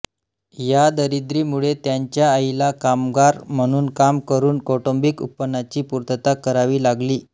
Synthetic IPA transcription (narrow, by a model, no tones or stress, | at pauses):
jad̪əɾid̪ɾiːmuɭet̪jaɲt͡ɕjaəilakamɡaɾm̤əɽ̃uːnkamkəɾuːnkɔʈombikṵpːənːat͡ɕiːpuɾt̪ət̪akəɾaʋiːlaɡliː